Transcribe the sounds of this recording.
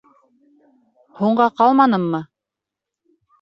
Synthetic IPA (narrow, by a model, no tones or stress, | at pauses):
huɴɢɑqɑlˠmɑnɤmːɤ